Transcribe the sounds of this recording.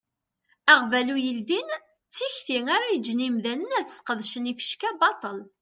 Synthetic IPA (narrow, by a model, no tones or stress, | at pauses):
æʁvælujəld̪in | t͡sːiçθiŋaɾajəd͡ʒːnimðænənæθə̥sqəðʃənifə̥ʃkæbɑt̪ˤəl